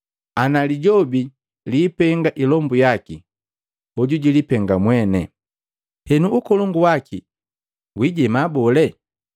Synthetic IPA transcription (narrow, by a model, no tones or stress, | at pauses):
analiɟɔbi | liːpɛŋɡaʔilɔmbujaki | ɔɟuɟilipɛŋɡamwɛnɛ̰ | hɛnuːkɔlɔŋɡuwakʰi | wiɟɛmabɔlɛ